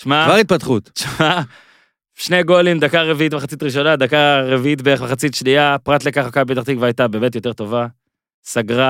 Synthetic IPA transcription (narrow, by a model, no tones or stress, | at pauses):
ʃmavaʁit̪̚pat̪χutʃma | ʃne̞ɡo̞limd̪akaʁeviʔitmaχat͡sit̪ʁiʃ̬o̞nad̪akaʁeviit̪beemaχat͡sitʃniapʁat̪lekaχakabet̪aχt̪ikvajt̪abe̞ːmet̪jo̞te̞ʁt̪o̞va | saɡʁa